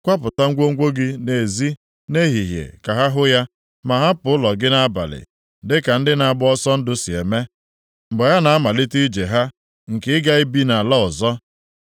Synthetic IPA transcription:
kʷa˦pʊ˨ta˦ŋ̩˦ɡʷo˦ŋ̩˦ɡʷo˦ɡɪ˦ne˨zi˦ | ne˦ɦi˨ɦjḛ˨ka˨ɦa˦ɦʊ˦ja˦ | ma˨ɦa˦pʊ˨˦ʊ˦lɔ˨ɡɪ˦na˦ba̰˨lɪ̰˨ | dɪ˦ka˨n̩˦dɪ˦na˨a˨bʊ˦ɔ˦sɔ˦n̩˦dʊ˦si˨e˨me˦ | m̩˨bɔ˨ja˦na˨a˦ma˨lɪ˦ti˦d͡ʒe˨ɦa˦ | ŋ̩˨kɪ˨˦ɪ˦ɡa˦i˦bi˦na˨lɔ˦ʊ˨zɔ˦

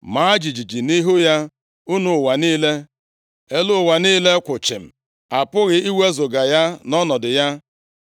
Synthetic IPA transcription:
ma˨a˦d͡ʒi˨d͡ʒi˨d͡ʒi˨ni˦ɦu˦ja˦ | u˦nu˨wa˨niː˦le˦ | e˦lʊ˦˨wa˨niː˦le˦kʷʊ˨t͡ʃɪ˨m̩˨ | a˨pʊ˦ɣɪ˨i˦we˦zʊ˨ɡa˨ja˦nɔ˦nɔ˨dɪ˨ja˦

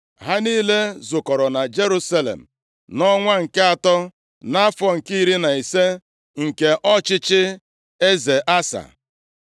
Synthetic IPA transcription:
ɦa˦niː˦le˦zʊ˨kɔ˨ɾɔ˨na˨d͡ʒe˦ɾu˦sa˦lḛ˨m̩˨ | nɔ˦ŋʷa˦ŋ̩˨ke˦a˨tɔ˦ | na˦fɔ˨ŋ̩˨ki˦ɾi˦na˨i˨se˦ | ŋ̩˨ke˨ʔɔ˦t͡ʃɪ˦t͡ʃɪ˦ | e˦ze˨ʔa˦sa̰˨

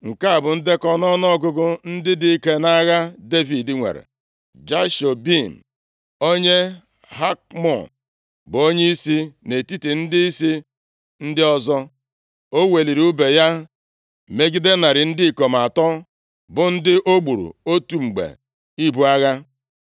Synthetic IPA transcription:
ŋ̩˨ka˦a˨bʊ˨n̩˦dɪ˦kɔ˦nɔ˦nɔ˦ɡʊ˦ɡʊ˦n̩˦dɪ˦dɪ˦i˦ke˦na˦ɣa˦de˦vi˨dɪ˦ŋʷḛ˨ɾḛ˨ | d͡ʒa˦ʃo˨bi˦˨m̩˨ | o˦ɲe˦ | ɦa˦k̚mɔ̰˨ | bʊ˨o˦ɲe˦i˦si˦ne˨ti˦ti˨n̩˦dɪ˦i˦si˦ | n̩˦dɪ˦ɔ˦zɔ˦ | o˦we˨li˨ɾi˨u˦be˨ja˦ | me˦ɡi˦de˦na˨ɾɪ˨n̩˦dɪ˦i˨ko˨m˨a˨tɔ˦ | bʊ˨n̩˦dɪ˦ʔo˦ɡ͡bu˨ɾṵ˨o˦tu˨ŋ͡m̩˨ɡ͡bḛ˨ | i˦bu˦a˦ɣa˦

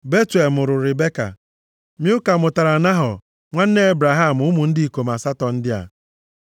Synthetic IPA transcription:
be˦te˨lmʊ˨ɾʊ˨ɾɪ˨be˦ka̰˨ | mi˦ʊ˦ka˨mʊ˨ta˨ɾa˨na˦ɦʊ˨ | ŋʷa˦n̩˦ne˦e˦bɾa˨ɦa˦˨m̩˨ʊ˦mʊ˨n̩˦di˦i˨ko˨ma˨sa˦tɔ˨n̩˦dɪ˦a̰˨

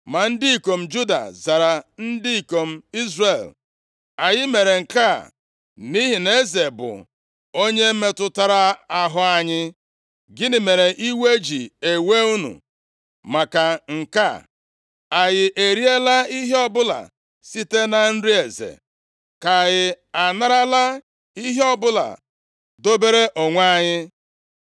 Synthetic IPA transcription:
ma˨n̩˦dɪ˦i˨ko˨m̩˦d͡ʒu˦da̰˨za˨ɾa˨n̩˦dɪ˦i˨ko˨m̩˦i˦zre˨l | a˨jɪ˦me˨ɾe˨ŋ̩˨ka˦˨ | ni˦ɦi˨ne˦ze˨bʊ̰˨ | o˦ɲe˦me˦tʊ˦ta˨ɾa˦a˦ɦʊ˦a˦ɲɪ˦ | ɡɪ˦nɪ˨me˨ɾe˨ʔi˦we˦d͡ʒi˨e˨we˦u˦nṵ˨ | ma˨ka˨ŋ̩˨ka̰˦˨ | a˨ɣɪ˨ʔe˨ɾi˦e˦la˦i˦ɦe˦ɔ˦˨bʊ˦la̰˨ | si˦te˦na˨n̩˦ɾi˦e˨zḛ˨ | ka˨ɣɪ˨ | a˨na˦ɾa˦la˦ | i˦ɦe˦ɔ˦bʊ˦la̰˨ | do˦be˦ɾe˦ʔo˨ŋʷa˦ɲɪ˦

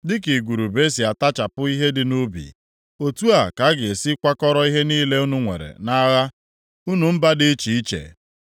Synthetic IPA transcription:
dɪ˦ki˨ɡʷu˨ɾu˨be˦si˨a˨ta˦t͡ʃa˨pʊ˦i˦ɦe˦dɪ˨nu˦bḭ˨ | o˨tu˦a˨ka˨˦ɡɪ˨si˦kʷa˦kɔ˦ɾɔ˦i˦ɦe˦niː˦le˦u˦nu˦ŋʷḛ˨ɾḛ˨na˦ɣa˦ | u˦nu˨m̩˦ba˦dɪ˦t͡ʃi˨i˦t͡ʃḛ˨

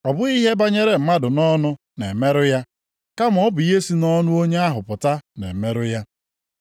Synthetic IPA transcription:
ɔ˨bʊ˦i˦ɦe˦ba˦ɲe˦ɾe˨m̩˦ma˦dʊ˨nɔ˦nʊ˦ | ne˨me˦ɾʊ˦ja˦ | ka˦m˨ɔ˦bʊ˨˦e˦si˦nɔ˦nʊ˦o˦ɲe˦a˦ɦʊ˨pʊ˨ta˦nḛ˨me˦ɾʊ˦ja˦

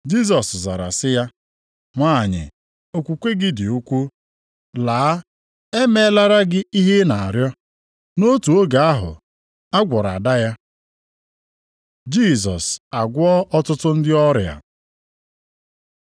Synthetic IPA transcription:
d͡ʒi˦s̬ɔ˨sza̰˨ɾa̰˨sɪ˦ja˦ | ŋʷa˦˨ɲɪ̰˨ | o˨kʷu˨kʷe˦ɡɪ˦dɪ˨u˦kʷu˦ | laː˨˦ | e˦me˦la˦ɾa˦ɡɪ˦i˦ɦe˦na˨a˨ɾjɔ˦ | no˦tu˨o˦ɡa˨a˦ɦʊ̰˨ | a˦ɡʷɔ˨ɾa̰˨da˦ja˦ | d͡ʒi˦˨s̬ɔ̰˨sa˨ɡʷɔ˦ʔɔ˦tʊ˦tʊ˦n̩˦dɪ˦ɔ˦ɾj̰a̰˨

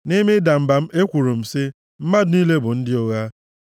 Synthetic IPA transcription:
ni˦mɪ˦da˨m̩˦ba˨m̩˦e˦kʷu˨ɾu˨m̩˨sɪ˦ | m̩˦ma˦dʊ˨˦ni˦le˦bʊ˨n̩˦dɪ˦o˦ɣa˦

